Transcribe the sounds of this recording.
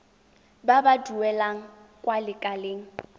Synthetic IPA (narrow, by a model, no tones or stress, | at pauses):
babaduɛlaŋ̩ | kʼwalɪkʼaleːŋ̩